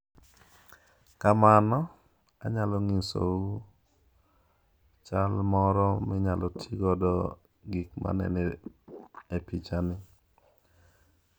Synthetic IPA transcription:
kamanɔ | aɲalɔŋiso̰u | t͡ʃalmɔɾɔmɪɲalɔtʰiɡɔdɔ | ɡikma̰nɛ̰nɛ | epit͡ʃanɪ

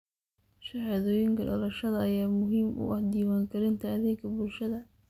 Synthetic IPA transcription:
ʃɐħɑːðɔːjɪŋkʰɐɖɐlɐʃɐðɐɐjaːmʊɦiːmʔʊ̰ʔɐhd̪iːwaːŋkʰɐɾɪnt̪ʰɐɐðɛːkʰɐbʊlʃɐðɐ

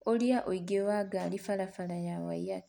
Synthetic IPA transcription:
oljaʔoiɡewaɡaːlifalafalajawa̰ja

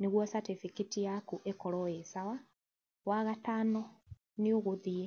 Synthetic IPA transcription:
niɣwosatifikitijakuʔekoloesawa | waɣataːno | niuɣuðije

